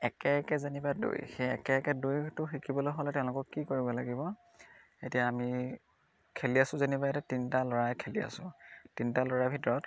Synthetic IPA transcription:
ɛkɛkɛzenibado̰jxejɛ̰kɛkɛdujtʊxikʰibɔlojɦolɛtɛʊ̃lʊkɔkːikoɹibɔlaɡibɔ | etijaːmi | kʰeliasʊ̃zenibaɛtɛtintalɔɹajkʰelia̰sʊ̃tintalɔɹabʱitɔɹɔt

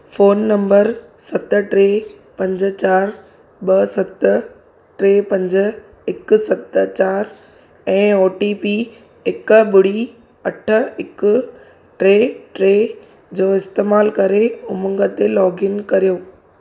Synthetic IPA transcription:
foːnːɐ̃mbəɾsɐt̪̆ʈɾeː | pɐ̃ɲd͡ʑt͡ɕaːɾ | ɓɐsɐt̪ | ʈɾeːpɐ̃ɲd͡ʑə̆ | ɪksɐt̪t͡ɕaːɾ | ɛ̃ːoːʈiːpiː | ɪkɓʊɽ̤i | ɐʈʰə̆ɪkʊ | ʈɾeːʈɾeː | d͡ʑoːɪst̪eːmaːlkɐɾeʊmə̃ŋɡət̪elɔːɡɪnkɐɾijoː

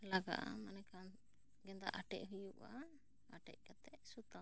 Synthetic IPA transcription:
laɡa̰ʔa̰manɛkan | ɡɛnd̪a̰ʔaʈɛ̰ʔɦujuʔa | aʈɛ̰ʔ̚kat̪ɛʔsut̪a

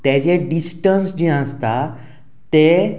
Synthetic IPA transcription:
t̪ɛd͡ʑeɖisʈənsd͡ʑiãəst̪a | t̪e

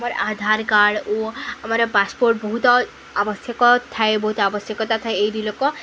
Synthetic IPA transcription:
amaɾad̪ʱaɾkaɽoamaɾpaspoɾʈ̚bɔɦut̪ɔ | abɔsjekɔt̪ʰaebɔɦut̪ɔabɔsjɔkɔt̪at̪ʰaeejɾilokɔ

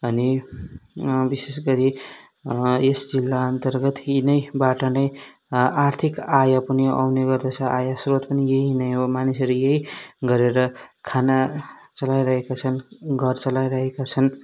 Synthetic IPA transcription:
ʌni | bisesɡʌɾi | esd͡zilːaʌnt̪ʌrɡʌt̪inʌjbaʈʌnʌj | art̪ʰikajapʌniʔa̰wneɡʌrd̪ʌt͡sʰʌʔajasrot̪pʌnijeinʌjomanisʌɾujeɦiɡʌɾeɾʌkʰanat͡sʌlajɾʌɦekat͡sʰʌnɡʱʌrt͡sʌlajɾʌɦekat͡sʰʌn

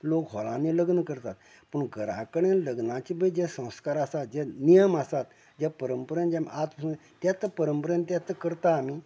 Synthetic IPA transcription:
lokɦɔlãnẽləɡnəkəɾt̪at̪̚ | pəɳɡʱəɾã̰kəɽ̃ẽləɡnãt͡ɕibəid͡ʑɛsə̃w̃skaɾasat̪̚d͡ʑɛnijəmasat̪ | d͡ʑapəɾəmpəɾənd͡ʑamat̪məsũ | t̪jat̪əpəɾəmpəɾənt̪̬jat̪əkəɾt̪aːmi

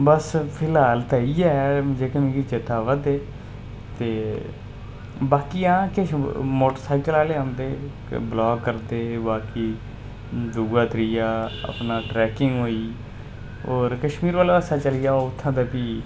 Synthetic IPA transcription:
bəspʰɪlaːlt̪aːiːɛːd͡ʒeːkəmĩːkit͡ʃet̪aːʋəd̪eː | t̪eː | baːkiːãːkɪmoːʈəɾsaːɪkəlaːleːãːnd̪ḛː | blɔːɡːəɾd̪eːbaːkiː | d̪uːɡaːt̪ɾijaːə̰pnaːʈɾɛːkɪŋɡɦoːiː | oːɾkəʃmiːɾʋaːlːəsaːt͡ʃəlɪjaːoʊt̪ʰːãːd̪aːpiː

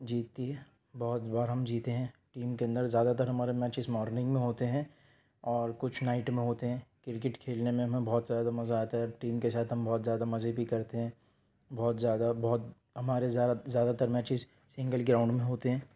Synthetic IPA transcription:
d͡ʒiːt̪ːiɦɛ̃ | bɔːt̪baːɾɦɐmd͡ʒiːt̪eɦɛ̃ːʈiːmkeɐ̃nd̪əɾzjaːd̪at̪ɐɾɦɐmaːɾemɛːt͡ʃɪzmɔːɾnɪ̃ŋɡmẽɦoːt̪eɦɛ̃ː | ɔːɾkʊt͡ʃʰnaːɪʈmẽɦoːt̪eɦɛ̃ːkɪɾk̬ɪʈkʰeːlnemẽɦɐmẽbɔːt̪zjaːd̪amɐzaːt̪aɦɛʈiːmkesaːt̪ʰɦɐmbɔːt̪zjaːd̪amɐzebʱikɐɾt̪eɦɛ̃ː | bɔːt̪zjaːd̪abɔːt̪ | ɦɐmaːɾezazjaːd̪at̪ɐɾmɛːt͡ʃɪz | sɪ̃ŋɡəlɡɾãːʊ̃ɳɖmẽɦoːt̪eɦɛ̃ː

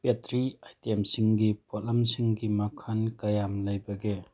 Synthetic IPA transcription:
petʰɾiajtemsiŋɡipʰolamsiŋɡimakʰankajamlɐjbɐɡe

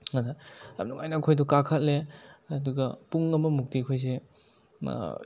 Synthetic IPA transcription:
ŋɐnɐɐ̰nuŋajnɐɐkʰojdukakʰɐt̚leːduɡɐpuŋɐmɐmuk̚tikʰojs̬e

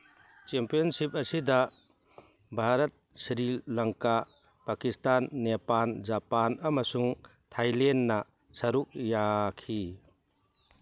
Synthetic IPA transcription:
t͡ʃempijɔnsip̚ɐsidɐ | bʱaɾɐt̪̚siɾilːɐŋka | pakistanːepald͡ʒapanɐmɐsuŋ | tʰajlenːɐ | sɐɾuk̚jakʰi

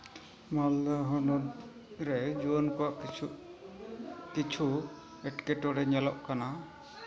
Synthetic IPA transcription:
malaɦɔnɔd̪̚ | ɾɛd͡ʒuɔnkɔwaʔ | kit͡ʃʰu | ɛʈkɛʈɔɾɛɲalɔʔkana

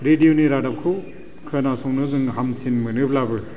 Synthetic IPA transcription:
ɾedijoniɾadap̚kʰɯ | kʰɯnasɔŋnɯzɯŋɦamsinmɯnɯp̚labɯ

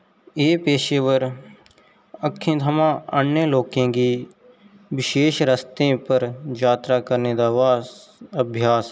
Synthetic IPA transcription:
eːpeːʃeːʋəɾ | əkʰːẽt̪ʰəmãənjəloːkẽɡi | ʋɪʃeːʃɾəst̪ẽpəɾd͡ʒaːt̪ɾakəɾned̪aːʋaːəbʱjaːs

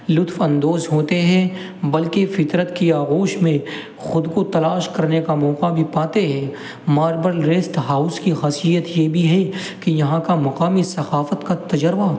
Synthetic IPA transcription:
lʊt̪fɐ̃nd̪oːzɦoːt̪eɦɛ̃ | bɐlkefɪt̪ɾət̪kiaːɣoːʃmẽ | xʊd̪kot̪ɐlaːʃkɐɾnekamɔːqabʱipaːt̪eɦɛ̃ː | maːɾbəɾlɾeːsʈɦaːʊskixɐsijət̪jeːbʱiɦɛ | kijɐɦãkamɐqaːmisɐxaːfət̪kat̪ɐd͡ʒəɾba

